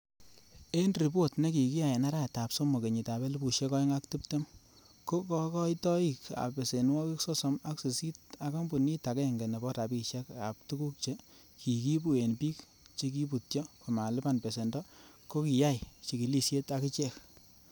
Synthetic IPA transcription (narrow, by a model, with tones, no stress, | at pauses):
e˦nri˨bo˦tne˦ki˨ki˦ja˨je˨na˦ɾa˦˨ta˨pso˦mo˨ke˨ɲi˨ta˨be˦lɪ˦bu˨ʃe˦kɔ˦i˦ŋa˦kti˦p̚te˦m | ko˦kɔ˦kɔ˦jtɔ˦i˨ka̰˨pe˨se˨nwɔ˦ki˦ksɔ˦so˨˦ma˦kse˨si˦t̚a˦kɔ˦mbu˨ni˦ta˨kɛ˦˨ŋɡe˨nɛ˨bɔ˦ta˨pi˨ʃɛ˦ka˨p̚tu˦ku˦k̚t͡ʃe˦ | kʰi˨ki˦bu˨e˨npi˦k | t͡ʃi˦k̬i˦p̬u˨t̚t͡ʃɔ˦ko˨ma˨lɪ˦pa˦˨npe˨se˨ndɔ˦ | ko˦ki˨ja˦jt͡ʃi˨ki˨li˦sje˦ta˨˦ki˦t͡ʃe˦k